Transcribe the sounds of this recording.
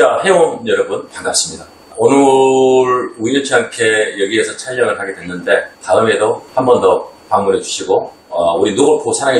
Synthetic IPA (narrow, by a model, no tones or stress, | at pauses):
t͡ɕahe̞onjʌɾʌbunpaŋɡap̚s͈ɯmɲida | onɯɾuiɲʌt͡ɕʰiankʰe̞jʌɡiɦe̞sʰʌt͡ɕʰaʎːʌŋɯɭhaɡe̞dwe̞nːɯnde̞taɯme̞dohambʌndʌ | paŋmunɦe̞d͡ʑuɕʰiɡo | ʌuɾinoɡoɭkʰosʰaɾaɡe